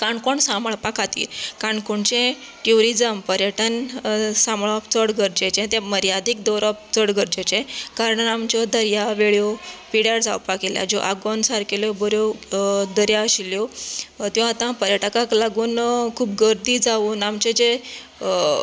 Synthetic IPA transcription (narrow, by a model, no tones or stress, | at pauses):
kaɳkoɳsamɭpakat̪ḭːkaɳkuɳt͡ɕẽ | ʈjuɾid͡zəmpəɾjəʈənsãmɭɔpt͡səɽɡəɾd͡ʑet͡ɕẽt̪ẽməɾjad̪ʱikd̪ɔɾɔp̚t͡səɽɡəɾd͡ʑet͡ɕẽkaɾəɳamt͡ɕɔd̪əɾjaʋeɭjɔpiɽjaɾd͡za̰wpakilja̰d͡ʑoʔaɡɔnsaɾkelɔbɔɾjɔd̪əɾjaəɕiljɔt̪jɔ̃at̪ãpəɾjəʈəkaklaɡuːnkʰuːbɡəɾd̪iːd͡zauːnamt͡ɕẽd͡ʑe